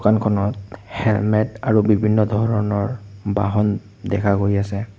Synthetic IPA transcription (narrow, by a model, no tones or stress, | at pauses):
ukankʰɔnɔt̚hɛlmɛtaɹubibʱinːɔdʱɔɹɔɔnɔɹba̰ɦɔn | dɛkʰakojasɛ